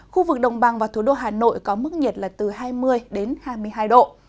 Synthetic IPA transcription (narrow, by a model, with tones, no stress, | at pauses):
xu˧vɨ˨˩k̚ɗə˨˩wŋ͡mɓa˨˩ŋvaː˨˩wt̪ʰu˨˧˦ɗo̰˧ɦaː˨˩no̰˧˨jkɔ˨˦mɨ˦˥k̚ɲi˨˩t̚laː˨˩t̪ɨ˨˩haː˧jmɨ˧əjɗe˨˦nhaː˧jmɨ˧əjɦaː˧jɗo̰˧˨